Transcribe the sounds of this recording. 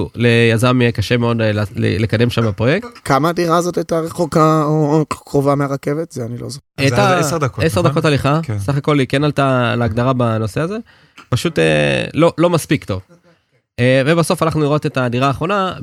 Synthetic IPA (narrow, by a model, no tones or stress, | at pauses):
lejazamijekaʃe̞meo̞dlḛlekad̪e̞mʃamapʁo̞jektkamaːdiʁaːzotajtaʁeχokaokʁovameaʁakevet̪zeanilozoeaʁdakoesed̪akotaliχaksaχako̞likenalt̪alaːɡd̪aʁabano̞seaze̞ | paʃut̪ḛlo̞lo̞maspikt̪o̞v | eve̞basofalaχnuliʁo̞t̪e̞tadiʁaːχʁo̞na